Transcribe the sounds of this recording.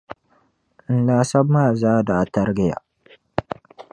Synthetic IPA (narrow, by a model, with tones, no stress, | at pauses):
n˨˦laː˨sa˦bma˦˨zaː˦da˨ta˦ɾɡɪ˦ja̰˨